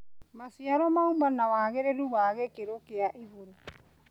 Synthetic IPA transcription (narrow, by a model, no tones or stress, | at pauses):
masiaɾɔmaumanawaːɣeɾeɾuβaːɣekeɾokeaʔiβoɾe